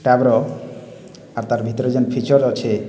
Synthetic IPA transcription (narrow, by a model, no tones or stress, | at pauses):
ʈɛbɾɔ | aɾt̪aɾbʱit̪ɔɾod͡ʑanpʰit͡ɕɔɾot͡ɕʰe